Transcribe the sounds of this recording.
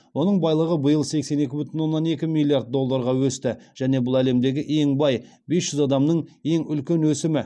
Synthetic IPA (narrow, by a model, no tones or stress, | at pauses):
wo̞nəɴbɑjlˠəʁəbəjəlˠse̞kse̞ne̞kʲɪbʏt̪ʏɪnwo̞nːɑne̞kʲɪmilːˠiaɾd̪̚d̪o̞lˠːɑɾʁɑwɵst̪ɪʒ̥æne̞bʊlˠæle̞md̪e̞ɡʲɪʔe̞ŋbɑj | be̞sʒ̥ʏzɑd̪ɑmnəɴe̞ŋʏlkʲe̞nwɵsɪmɪ